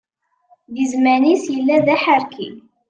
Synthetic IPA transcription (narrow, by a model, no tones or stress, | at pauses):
ðizmænisjəlːæðæħəɾkʰi